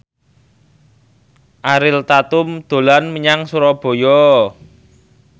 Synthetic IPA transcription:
ʔaɾɪlt̪at̪ʊmd̪̥o̤lanməɲaŋsuɾɔb̥o̤jɔ

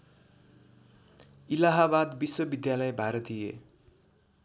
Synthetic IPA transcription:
ilaɦabad̪biswʌbid̪jalʌjbʱaɾʌt̪ijḛ

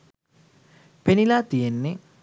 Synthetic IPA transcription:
penilaːt̪ijenːe

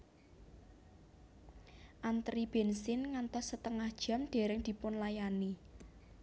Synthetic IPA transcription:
ʔant̪ɾib̥ensɪnŋant̪ɔsːət̪əŋahd̥ʒ̥a̤mɖ̪̥e̤ɾɪŋd̪̥i̤pʊnlajani

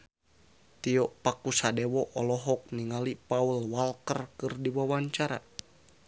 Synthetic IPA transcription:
t̪iɔʔpakusadɛwɔʔɔlɔɦɔk̚niŋalipaulwalkərkɨrdiwawaɲt͡ʃaɾa̰

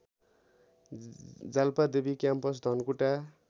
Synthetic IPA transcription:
d͡zalpad̪ebikjampʌs̬d̪ʱʌnkuʈa

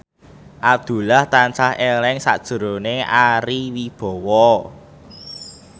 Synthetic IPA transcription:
ʔap̚d̪̥ṳlaht̪ant͡ʃahelɛŋsa̰ʔd̥ʒ̥ə̤ɾoneʔaɾiwib̥ɔ̤wɔ

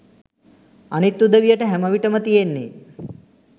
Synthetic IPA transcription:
ɐnit̪ːud̪əʋijɐʈəɦɛmɐʋiʈəmət̪ijenːḛ

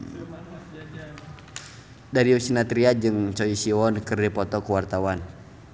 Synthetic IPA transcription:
daɾiusinat̪ɾiad͡ʒɨŋt͡ʃɔisiɔnkɨrdipɔt̪ɔkuwart̪awan

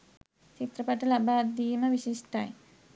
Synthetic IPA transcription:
t͡ɕit̪ɾəpaʈəlabad̪iːmɐʋiɕiʂʈaj

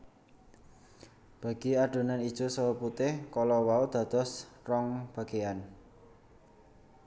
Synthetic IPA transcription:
b̥a̤ɡ̥i̤aɖ̥o̤nanid̥ʒ̥o̤səwəput̪ɪhkɔlɔwaud̪̥ä̤d̪̥ɔ̤srɔŋb̥a̤ɡ̥ean

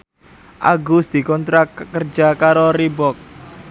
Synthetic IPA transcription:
ʔa̰ɡʊsd̪̥i̤kɔnt̪ɾakərd͡ʒakaɾoribɔk̚

